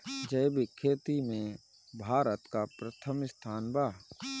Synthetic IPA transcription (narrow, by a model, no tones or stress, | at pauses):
d͡ʒəjbɪkʰːeːt̪imẽ | bʱaːɾət̪kapɾət̪ʰəmst̪ʰaːnbaː